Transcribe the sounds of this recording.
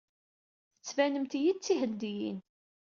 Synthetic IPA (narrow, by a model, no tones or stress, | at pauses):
θət͡sːvænəmt̪jit͡sːihəd̪ːijḭn